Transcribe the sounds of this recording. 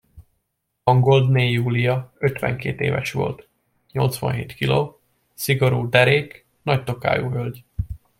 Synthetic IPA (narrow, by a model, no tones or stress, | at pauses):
ɒŋɡo̞ld̪neːjuːlijɒøt̪ʋɛ̰ŋkeːt̪ḛːvɛʃʋo̞̰lt̪ | ɲo̞lt̪sʋɒ̰nɦeːt̪kiloː | siɡo̞ɾuːd̪ɛɾeːk | nɒc̚t̪o̞ka̰ːjuːɦølɟ